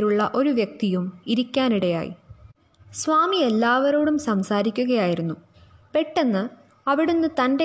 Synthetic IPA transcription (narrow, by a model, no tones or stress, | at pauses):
ɾuɭːɐʔo̞ɾuʋjek̚t̪ijumiɾikʲːaːniɽeja̰ːjḭ | sʋaːmielːaːʋɐɾoːɽumsɐmsaːɾikʲːuɣɐjaːjiɾunːu | pe̞ʈːe̞nːɨ | ɐʋiɽunːɨt̪ɐnde